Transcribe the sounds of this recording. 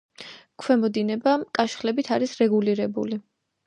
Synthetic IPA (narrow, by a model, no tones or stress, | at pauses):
kʰwɛmɔd̪inɛbakʼaʃχlɛbit̪ʰaɾisɾɛɡuliɾɛbṵli